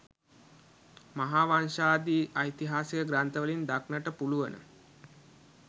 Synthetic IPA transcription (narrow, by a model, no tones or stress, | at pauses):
maɦaːʋanʃaːd̪iːʔɐjt̪iɦaːsijəɡɾant̪əʋəlind̪aknəʈəpuluʋənə̰